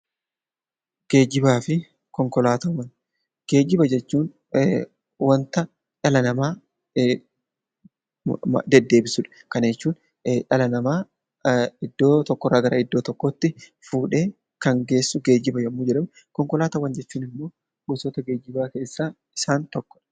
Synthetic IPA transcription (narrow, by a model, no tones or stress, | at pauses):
ɡ̥e̞ːd͡ʒɪbaːfɪ | kɔŋkɔlaːt̪ɐwːɐn | ɡ̥e̞ːd͡ʒɪbɐd͡ʒɛt͡ʃːuːn | wɐnt̪ɐ | t͡ʃɐlɐnɐmaː | d̪ɛd̪ːe̞ːbɪsʊᶑɐ̥kɐnjɛt͡ʃːuːn | ʔɐlɐnɐmaː | ɪd̪ːoːt̪ɔkːɔrːɐːɡɐɾɐɪd̪ːoːt̪ɔkːoːt̪ːɪfuːᶑe̞ː | kɐŋɡe̞ːsːʊɡe̞ːd͡ʒɪbɐjɛmːʊːd͡ʒɛᶑɐm | kɔŋkɔlaːt̪ɐwːɐnd͡ʒɛt͡ʃːuːnɪmːo̞ː | bʊsoːt̪ɐɡe̞ːd͡ʒɪbaːke̞ːsːaː | ɪsaːnt̪ɔkːɔ̥ᶑɐ̥